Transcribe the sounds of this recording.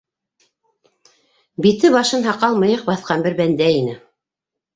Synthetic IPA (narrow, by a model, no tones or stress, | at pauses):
bit̪ɘβɑʃɤnɦɑqɑlˠmɤ̆jɤq̚bɑθqɑnbɘɾbænd̪æinɘ